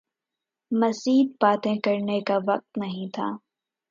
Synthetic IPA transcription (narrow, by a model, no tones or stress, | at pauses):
mɐsiːd̪̚paːt̪ẽkɐɾnekaʋɐq̚t̪nɐɦĩt̪ʰa̰ː